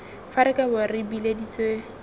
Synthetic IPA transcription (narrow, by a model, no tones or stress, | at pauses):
faɾɪkabʊrɪbiledit͡swe